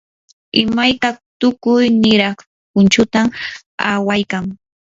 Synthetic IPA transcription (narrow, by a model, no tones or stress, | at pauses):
ɪmajt̪at̪ʊkʊjnɪɾɑχ | pʊnt͡ʃʊt̪am | awajkaŋ